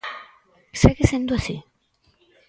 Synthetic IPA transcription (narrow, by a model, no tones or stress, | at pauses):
seɣesend̪uasi